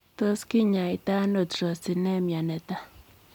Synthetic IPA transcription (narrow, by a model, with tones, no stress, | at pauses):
t̪o˦ski˦ɲa˨i˨t̪a˦no˨trɔ˨si˨nɛ˦mja˨nɛ˨t̪a˦